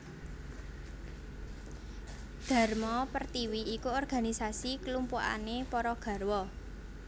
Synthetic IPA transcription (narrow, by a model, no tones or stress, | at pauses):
d̪̥ä̤rmɔpərt̪iwiːkuɔrɡ̥a̤nisasikəlumpua̰nepɔɾɔɡ̥ä̤rwɔ